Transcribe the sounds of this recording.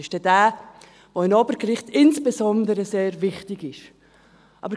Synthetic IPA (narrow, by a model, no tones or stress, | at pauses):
ɪʃd̥ɛd̥æː | voɪnɔbəɡɾɪχtʰɪnsb̥ɛsɔnd̪əɾəseːɾvɪχtɪɡɪʃ | ʔɑ̰bəɾ